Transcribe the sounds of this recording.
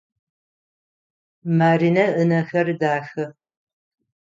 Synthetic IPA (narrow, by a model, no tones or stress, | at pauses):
maːɾinɐʔənɐxɐrdaːxɐ